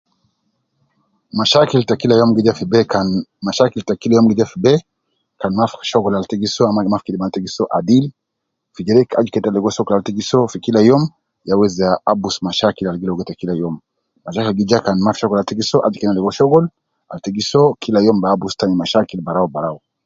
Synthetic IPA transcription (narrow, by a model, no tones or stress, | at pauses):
maʃakiltakilajɔmɡid͡ʒafibɛamaʃakiltakilajɔmɡɛd͡ʒafibɛ | kanmafʃɔɡɔlaltɛɡisɔamamafkidmantɛɡisɔʔadili | fid͡ʒɛɾɛkad͡ʒikɛtalɛɡɔʃɔkɔlaltɛɡisɔfikilajɔm | jawɛzaabusmaʃakilalɡilaɔɡɛtakilajɔmː | aʃakilɡid͡ʒakanmafʃɔkɔlaltɛɡisɔʔad͡ʒikɛnalɛɡɔʃɔɡɔl | altɛɡisɔkilajɔmbaːbustanimaʃakilbaɾaɔbaɾaɔ